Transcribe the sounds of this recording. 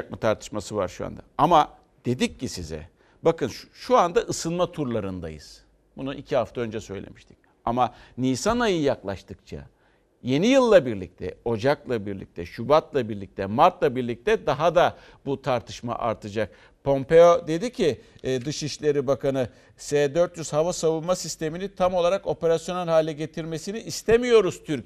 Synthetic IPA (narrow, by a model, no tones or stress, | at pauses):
k̚mut̪ʰaɾt̪ʰɯ̥ʃmasɯva̰ɾʃua̰nd̪aama | d̪̥e̞d̪icːisizɛ̰ | bakɯnʃʃuand̪aʔɯsɯnmat̪ʰuɾlˠaɾɯnd̪a̰jɯ̰z̥ | bunuʔicʰiɦaft̪aø̞nd͡ʒɛsø̞̰jlʲḛmiʃt̪ʰi̥c̚ | amaniːsanajɯjaklˠaʃt̪ʰɯk̚t͡ʃʰa̰ | je̞nijɯlˠːabiɾlʲḭc̚t̪ʰɛ̰o̞d͡ʒaklˠabiɾlʲḭc̚t̪ʰɛʃubat̪lˠabiɾlʲic̚t̪ʰɛmaɾt̪lˠabiɾlʲic̚t̪ʰɛd̪aɦad̪a | but̪ʰaɾt̪ʰɯ̥ʃma̰ʔa̰ɾt̪ʰɯd͡ʒak̚ | pʰo̞mpe̞od̪e̞d̪icʰiːd̪ɯʃiʃlʲe̞ɾibakanɯ | seːd̪øɾt̪jyz̥havasavunˠmasist̪ʰe̞minit̪ʰamo̞lˠaɾako̞pe̞ɾasjo̞nalʲhaːlʲɛɟe̞t̪ʰiɾme̞siniʔːst̪ʰemijo̞ɾuz̥t̪ʰyɾ